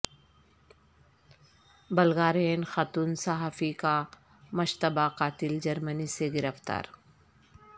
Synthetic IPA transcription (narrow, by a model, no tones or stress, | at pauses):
bɐlɡaːɾeːnxat̪unsaɦaːfika | mɐʃt̪əbaqaːt̪ɪld͡ʒɐɾməniseɡɪɾəft̪a̰ːɾ